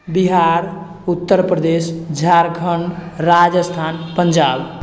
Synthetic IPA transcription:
biɦaɾ | ut̪ːəɾpɾəd̪esd͡ʒʱaɾkʰəɳɖɾad͡ʒəst̪ʰanpənd͡ʒab

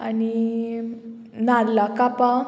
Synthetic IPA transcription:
ani | naɾlakapa

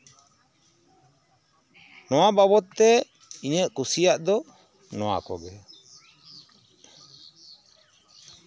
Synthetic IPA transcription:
nɔwabaβɔt̪ːɛ | iɲəʔkusijaʔd̪ɔ | nɔwa̰kɔ̰ɡɛ

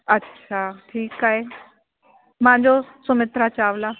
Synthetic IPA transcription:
ɐtːɕʰaːʈʰiːkaːɦe | mããɲd͡ʑosʊmɪt̪ɾat͡ɕaːʋlaː

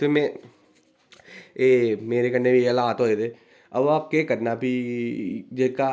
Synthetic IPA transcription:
t̪eːmɛ̃ | eːmeːɾekənːebiəlaːt̪ɦoːet̪eː | əbaːpkekəɾnaːpiː | d͡ʒeːka

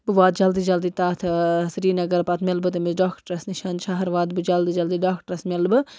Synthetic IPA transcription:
bɨʋaːd̪̚d͡ʒɐld̪id͡ʒɐld̪it̪aːt̪ʰsɾiːnɐɡɐɾpɐt̪ʰmʲɐlbɨt̪ɐmizɖaːkʈɐɾɐsniʃaːnt͡ʃʰaɦɐɾʋaːd̪bɨd͡ʒɐld̪iːd͡ʒɐld̪iːɖaːkʈɐɾɐsmʲɐlbɨ

